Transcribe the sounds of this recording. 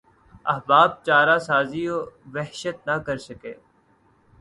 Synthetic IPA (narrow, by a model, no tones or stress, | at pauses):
ɐɦbaːb̚t͡ʃaːɾasaːzioːʋɛɦʃət̪̚nɐkɐɾsɐkeː